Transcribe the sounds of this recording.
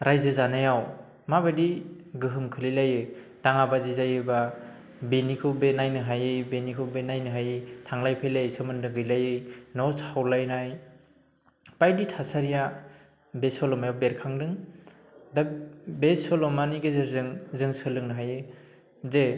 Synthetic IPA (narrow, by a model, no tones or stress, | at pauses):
ɾajzɯzanajaw | mabadiɡɯɦɯmkʰɯlilajɯ | taŋabazizajɯba | benikʰɯwbenajnɯɦajɯbenikʰɯwbenajnɯɦajɯtʰaŋlajpʰejlajsɯmɯndɯɡɯjlajɯjnɔshawlajnaj | pajditʰasaɾija | besɔlɔmajawbeɾkʰaŋdɯŋ | dabesɔlɔmaniɡɯzɯɾzɯŋzɯŋsɯlɯŋnɯɦajɯ | ze